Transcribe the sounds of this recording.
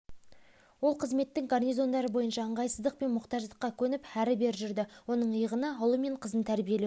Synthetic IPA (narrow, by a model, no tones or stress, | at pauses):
wo̞lˠqʰəzme̞t̪ːɪŋɡarnijzo̞nd̪ɑɾəbo̞jənʃɑəɴʁɑjsəzd̪əq̚pe̞nmʊqt̪ɑʒd̪əqːɑkʲʰɵnɪpæɾɪbe̞ɾʒʏɾd̪ɪwo̞nəɴəjəʁənəɑlˠume̞ɴqʰəzənt̪ʰæɾbije̞le